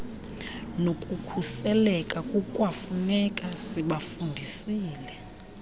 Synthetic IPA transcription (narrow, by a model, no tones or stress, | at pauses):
nokʼukʰusɛlɛkʼakʼukʼwafunɛkʼasiɓafundʱisiːlɛ